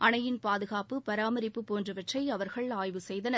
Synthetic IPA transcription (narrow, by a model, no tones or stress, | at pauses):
ʔɐnɐjɪnpaːðɯɣaːpɯpɐɾaːmɐɾɪpːɯpoːndrɯʋɐʈrɐɪɐʋɐɾɣɐɭaːjʋɯsɛjðɐnɐ